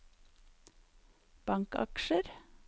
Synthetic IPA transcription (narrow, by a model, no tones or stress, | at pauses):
b̥ɑŋkɑ̰kʃəɾ